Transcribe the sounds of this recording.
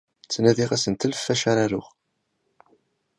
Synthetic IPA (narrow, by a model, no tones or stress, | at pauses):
t͡sːnæðiʁæsənt̪əlfːæʃaɾaɾʊʁ